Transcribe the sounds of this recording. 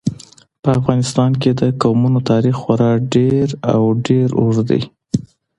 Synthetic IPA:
pəafɣɑnɪst̪ɑnked̪əkawmunot̪ɑɾixːwaɾɑɖeɾa̰wɖeɾoʐd̪a̰j

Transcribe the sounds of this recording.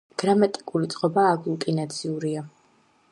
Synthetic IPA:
ɡ̥ɾamat̪ʼi̥kʼulit̪sʼqʼɔbaːɡulˠk̪ʼinat̪sʰiuɾia

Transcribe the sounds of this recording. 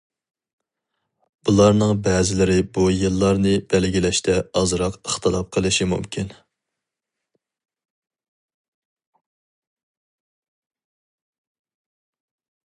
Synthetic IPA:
b̥ulˠɑɾnɨŋbɛːzɪlɪɾɪbujɨlˠːɑɾnɨb̥ɛlɡʲilɛʃt̪ʰɛɑzɾɑqəχt̪ʰɨlˠɑp̚qʰəlˠɨʃimṵmkʲʰin

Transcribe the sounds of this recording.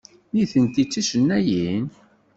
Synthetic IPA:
niθənt̪it͡sːiʃənːæjin

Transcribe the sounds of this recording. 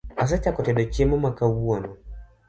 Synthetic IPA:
as̬at͡ʃakɔtɛɗɔkɛmɔmakawuɔnɔ

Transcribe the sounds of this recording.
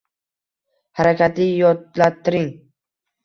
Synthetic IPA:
haɾakʲʰat̪lɪjɒt̪lat̪ʰːɪɾɪŋ

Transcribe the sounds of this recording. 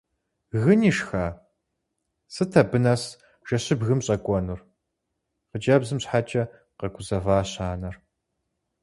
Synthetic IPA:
ɣɨniːʂxaː | sɨtʰɐbɨnɐs | ʒ̥ɐɕɪbɣɨmɕʼɐkʷʼɔnur | qəd͡ʒɐbzɨmɕħaːt͡ʃʼɐ | qɐkʷʰʼʊzɐvaːɕaːnɐr

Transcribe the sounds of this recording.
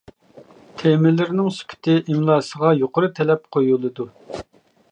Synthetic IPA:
t̪ʰemɪlːɪɾnɪŋsy̥kʲʰy̥t̪ʰɪʔimlˠɑːsəʁɑjoqʊɾɨt̪ʰɛlɛp̚qʰojulˠɨd̪u

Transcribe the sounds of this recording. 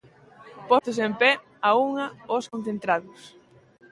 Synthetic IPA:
pɔθʊs̬empɛ | auŋɐoskõn̟θent̪ɾaðʊs

